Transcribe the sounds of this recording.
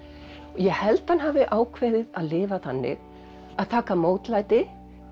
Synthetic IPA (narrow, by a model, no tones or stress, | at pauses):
ɔjɛhɛlt̪hanɦaːvɪʔaːwkʰveːjðɪðaðlɪːvaθanːɪ̰ɣ | aðt̪ʰaːkamoːwt̪laːjt̪ɪ